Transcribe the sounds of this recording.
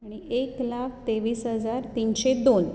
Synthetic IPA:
aɽ̃iʔeklak̚ʰt̪eʋiːsɦəd͡zaɾt̪inɕed̪on

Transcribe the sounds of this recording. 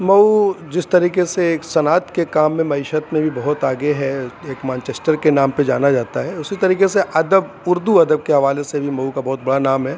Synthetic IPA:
mɐud͡ʒɪst̪ɐɾiːkeseːksɐnaːt̪kekaːmːẽmɐɪʃət̪mẽbʱibɐɦʊt̪aːɡeɦɛeːkmɛ̃ːnt͡ʃeːsʈəɾkenaːmped͡ʒa̰ːnad͡ʒaːt̪aɦɛʊsit̪ɐɾiːkeseʔɐd̪əb | ʊɾd̪uɐd̪əb̚keɦɐʋaːlesebʱimɐukabɐɦʊt̪̚bɐɽanaːmɦɛ

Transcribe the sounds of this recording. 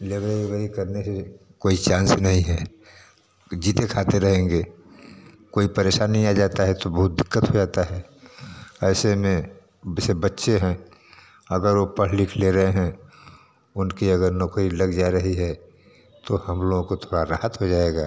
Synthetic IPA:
leːʋəieʋəikəɾnese | koːit͡ʃãːnsnɐɦĩɦɛ | d͡ʒiːt̪ekʰaːt̪eɾɐɦẽːŋɡeː | koːipəɾeːʃaːnːɦĩaːd͡ʒaːt̪aɦɛt̪obɐɦʊt̪̚d̪ɪkːət̪ɦod͡ʒaːt̪aɦɛ | ɛːsemẽ | sebətːʃeɦɛ̃ | əɡəɾʋopəɽ̤likʰleɾəɦeɦɛ̃ | ʊnkiɐɡəɾnɔːkɾilɐɡd͡ʒaɾəɦiɦɛ | t̪ohɐmloːɡõkot̪ʰoːɽaɾaːɦət̪ɦod͡ʒaːeɡaː

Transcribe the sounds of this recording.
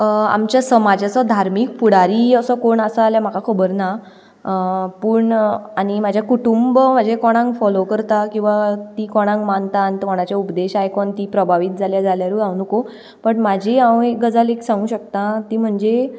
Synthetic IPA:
a̰mt͡ɕjasəmad͡ʑʱat͡sɔd̪ʱaɾmiːkpuɽaɾiːəsəkoɳasəaljam̤akakʰəbəɾna | pəːɳañimad͡ʑʱjakuʈumbməd͡ʑʱekɔɽ̃ãŋkfɔlokəɾt̪akĩw̃ʋat̪iːkɔɽ̃ãŋkmant̪ant̪kɔɽ̃at͡ɕjaupd̪eɕajkɔɳt̪iːpɾəbʱaʋiːt̪̚d͡zʱaljad͡zʱaljaɾuɡawnuko | pəɳmad͡ʑʱeãweɡəd͡zaleksãŋɡũːɕək̚t̪at̪iːm̤əɳd͡ze

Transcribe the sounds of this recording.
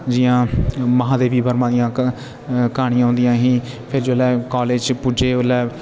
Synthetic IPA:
d͡ʒɪjãːməɦãːd̪eːbiːbʱəɾmãːd̪ijãː | kaːɽ̃ĩjãːɦʊ̃ːnd̪ijãːɦĩː | pʰɪɾd͡ʒoːlɛːkɔːleːd͡ʒpud͡ʒeːolɛː

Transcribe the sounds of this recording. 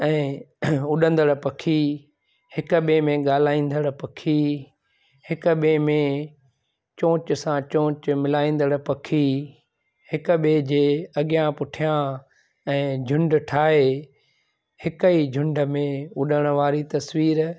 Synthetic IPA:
ɛ̃ːʊɗə̃nd̪əɽpɐkʰi | hɪkʊɓemẽɡaːl̤aːĩːn̆d̪əɽpɐkʰi | hɪkʊ̆ɓeːmẽ | t͡ɕõːt͡ɕ̆sãt͡ɕõːt͡ɕmɪlaːĩːn̆d̪əɽpɐkʰi | hɪkɓeːd͡ʑeːɐɠijãpʊʈʰijã | ɛ̃ːd͡ʑʱʊ̃ɳɖʈʰaːɦe | hɪkəid͡ʑʱʊ̃ɳɖəmẽʊɗəɽ̃ʊ̆ʋaːɾit̪ɐsʋiːɾ

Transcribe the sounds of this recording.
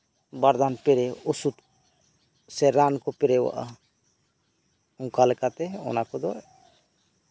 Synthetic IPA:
baɾd̪anpɛɾɛɔsud̪ | sɛɾankɔpɛɾɛwa̰ʔa̰ | ũkalɛkat̪ɛɔ̰nakɔd̪ɔʔ

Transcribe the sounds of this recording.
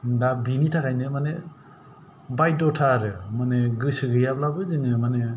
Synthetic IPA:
dabinitʰakʰajnɯmane | bajdɔtʰaɾɯmaneɡɯsɯɡɯjablabɯzɯŋɯmane

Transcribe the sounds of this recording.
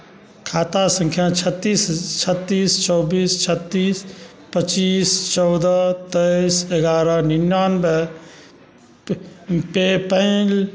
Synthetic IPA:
kʰat̪asə̃ŋkʰjat͡ʃʰət̪ːist͡ʃʰət̪ːist͡ʃɔwbiːst͡ʃʰət̪ːis | pət͡ʃiːst͡ʃɔwd̪ət̪əjseɡaɾəninjanbe | pepəɪl

